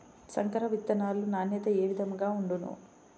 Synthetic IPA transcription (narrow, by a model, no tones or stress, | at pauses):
sɐŋkɐɾɐʋit̪ːɐnaːlunaːnjɐt̪ɐeːʋid̪ɐmɡaːuɳɖunṵ